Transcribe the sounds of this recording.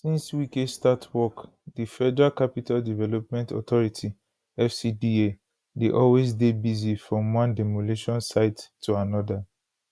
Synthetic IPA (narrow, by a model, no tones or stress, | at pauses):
sĩnswikestatʰwɔk | difɛdɹakapitaldivɛlɔp̚mɛ̃ntɔ̰tɔɹitʰi | ɛfsidie | deʔɔlwezdebizifɹɔ̃mwɔ̃ndɛmoleʃɔ̃nsaɪttʰːuanɔda